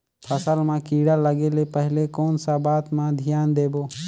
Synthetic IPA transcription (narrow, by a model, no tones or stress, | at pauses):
pʰəsəlmãkiːɽaləɡeːlepəɦɪlekoːnsabaːt̪mãd̪ʱijaːnd̪eːboː